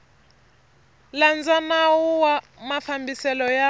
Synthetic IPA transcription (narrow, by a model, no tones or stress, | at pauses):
land͡zanawuwa | mafambisɛlɔja